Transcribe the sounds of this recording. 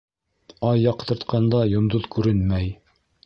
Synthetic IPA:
ɑjːɑqt̪ɤ̆ɾt̪qʰɑnd̪ɑjŏmd̪oðkʉɾɘnmæj

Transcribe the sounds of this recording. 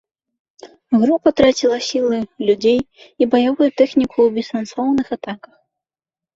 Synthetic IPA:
ɣɾupɐt̪ɾat͡sʲilˠɐsʲilˠɨlʲud͡zʲej | ibɐjavujut̪ɛxnʲikʰuwbʲisansɔwnɨxat̪akɐ̥x

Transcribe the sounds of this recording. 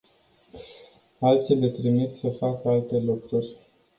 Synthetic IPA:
alt̪sile̞t̪ɾimit̪səfakəalt̪e̞lukɾurʲ

